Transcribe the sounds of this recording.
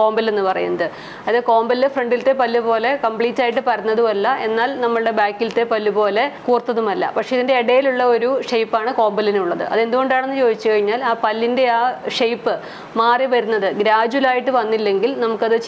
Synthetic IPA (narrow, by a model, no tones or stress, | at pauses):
ko̞ːmbɐle̞nːɨpɐrɐ̰junːɐðɨ | ɐðeko̞ːmbɐldefreɳɖilt̪ːe̞pɐlːupo̞ːle̞kɐmpɭiːtːaːjiʈ̬ːɨpɐɾɐnːɐðuɐlːɐʔe̞nːaːlnɐmːɐɭɨɽe̞baːkːilt̪ːe̞pɐlːupo̞ːle̞kuːrt̪ːɐðumɐlːɐ̰pɐkʂe̞iðinde̞ːɽɐjiluɭːɐo̞ɾuʂejpːaːɳɨko̞ːmbɐlineuɭːɐðɨ̰ʔɐ̰ðe̞nd̪uɣo̞ɳɖaːɳe̞nːɨt͡ɕo̞ːd̪it͡ɕːukɐɻiɲːaːlaːpɐlːinde̞aːʂejpːɨ | maːriʋɐɾunːɐðɨɡɾaːd͡ʑuwɐlaːjiʈːɨʋɐnːilːe̞ŋɡilnɐmukːɐðɨ